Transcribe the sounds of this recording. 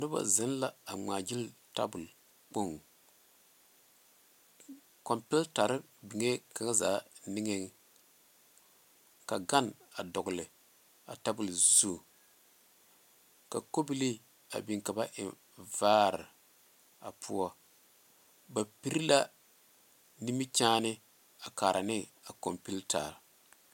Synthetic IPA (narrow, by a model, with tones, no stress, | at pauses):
nʊ˦ba̰˨zɪ˦n˦la˦a˨ŋ͡maː˨d͡ʒɪ˦lta̰˦bʊ˨l | k͡po˦ŋ˨ | kɔ˨mpɛ˦lta˨ɾɨ˦ | bi˨ŋe˦ka˨ŋa˦za̰ː˨˦nɪ˦ŋe˦ŋ˦ | ka˨ɡa˦na˨dɔ˨ɡʊ˨lɨ˨ | a̰˨ta˦bʊ˨lzu˦˨ | ka˨ko˦bi˦li˦ | a̰˨bi˨ŋka˨ba˦ʔɪ˨ | vaː˦ɾɪ̰˨ | a˨pʰʊ˦ɔ˦ | ba˨pi˦ɾi˦la˦ | ni˦mi˦t͡ʃaː˦nɪ˦ | a˨kaː˨ɾʔa˨nɪ˦a˨kɔ˨mpi˦lta̰˨ɾ